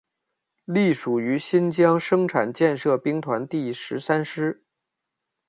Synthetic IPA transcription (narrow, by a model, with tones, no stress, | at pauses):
li˥˩ʂu˨˩y˧˥ɕi˥nt͡ɕjɑ˥ŋʂɤ˥ŋʈ͡ʂʰa˨˩nt͡ɕjɛ˥˧nʂɤ˥˧˩pi˥ŋt̪ʰwa˧˥nt̪i˥˩ʂɻ̩˧˥sa˥nʂɻ̩˥